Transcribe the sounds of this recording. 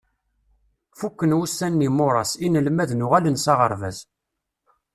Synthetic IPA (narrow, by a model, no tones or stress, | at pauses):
fukːənwusːænːimʊɾˤɑsinəlmæðnʊʁælənsɑʁəɾˤvæ̰z